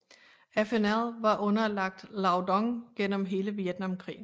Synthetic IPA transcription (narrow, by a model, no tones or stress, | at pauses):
æfenæðˠʋɑ̈ʔɔ̽nɐlɑ̈ɡ̥̚d̥lɑ̈ʊd̥ɒŋɡ̥en̰əmɦe̝ːləʋied̥nɑ̈mkʰʁḭːn̩